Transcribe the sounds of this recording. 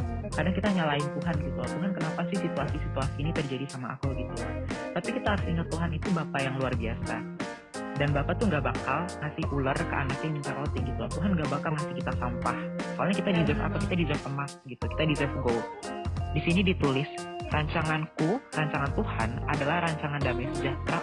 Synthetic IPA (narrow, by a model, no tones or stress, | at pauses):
kadaŋkit̪aɲalaɪnt̪uɦanɡit̪ulabuɦankənapasɪhsit̪uasisit̪uasiːnit̪ərd͡ʒadisamaʔːkoɡit̪ut̪apikit̪aɦaɾʊsiŋat̪ːuɦanit̪ubapajaŋluarbiasa̰ | danbapat̪uŋɡabakalmasɪhulərkə̰ʔa̰nak̚ɲamiɲt͡ʃaɾot̪iɡit̪ulat̪uɦanŋɡabakalmasikit̪asampahsoalɲakit̪adid͡ʒɛfa̰kukit̪adizɛfəmasɡit̪uki̥t̪adizɛfɡo | disinidit̪ulɪsraɲt͡ʃaŋankuraɲt͡ʃaŋant̪uha̰nadalahraɲt͡ʃaŋandamɛjsəd͡ʒat̪ɾa